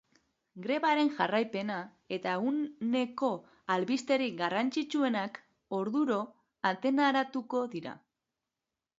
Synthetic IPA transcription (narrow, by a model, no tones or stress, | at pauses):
ɡɾe̞βaɾe̞nʝarajpe̞na | e̞t̪aunne̞ko̞ | alβist̪e̞ɾiɡarant͡ʃit͡ʃue̞nak | o̞ɾðuɾo̞ | at̪e̞naɾat̪uko̞ðiɾa̰